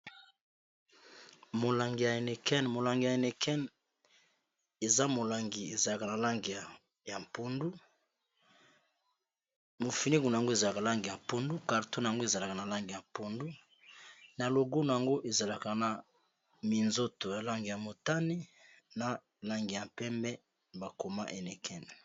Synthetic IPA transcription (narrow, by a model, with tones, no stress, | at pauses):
mo˨la˨ŋɡi˨ja˨e˨ne˨kɛ˦n˨mo˨la˨ŋɡi˨ja˨e˨ne˨kʰɛ˦n | e˨za˦mo˨la˨ŋɡi˨e˨za˨la˨ka˨na˨la˦ŋɡi˨ja˨ | ja˨mpo˨ndu˦ | mo˨fi˨ni˦ku˨na˨a˨ŋɡo˦e˨za˨la˨ka˨la˦ŋɡi˨ja˨po˦ndu˦ka˨ʁto˦na˨ja˨ŋɡo˦e˨za˨la˨ka˨na˨la˦ŋɡi˨ja˨mpo˨ndu˦ | na˨lo˨ɡo˦n˨a˨ŋɡo˦ʔe˨za˨la˨ka˨na˨ | mi˨nzo˦to˨ja˨la˦ŋɡi˨ja˨mo˨ta˦ni˦ | na˨ | la˦ŋɡi˨ja˨mpɛ˦mbɛ˦ | ba˨ko˨ma˦ʔe˨ne˨kʰɛ˦n˨